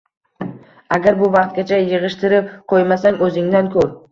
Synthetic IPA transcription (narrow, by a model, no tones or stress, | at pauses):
aɡʲaɾbʊvɑq̚t̪̚ɡʲat͡ʃʰajɨʁɨʃt̪ʰɪɾɪp̚qʰojmasaŋɵzɪŋd̪ankʰɵɾ